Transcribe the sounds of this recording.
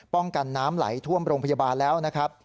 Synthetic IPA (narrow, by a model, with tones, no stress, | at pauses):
pɔ˥˩ŋka˧nːaː˦˥mla̰˩˦jt̪ʰu˥˩əmɾoː˧ŋpʰa˧jaː˧baː˧nlɛː˦˥wna˦˥kʰɾa˦˥p̚